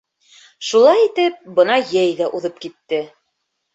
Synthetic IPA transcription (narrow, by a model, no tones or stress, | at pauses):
ʃulˠɑjit̪ɘp̚bɤnɑjæjðæʔuðɤp̚kit̪ːɘ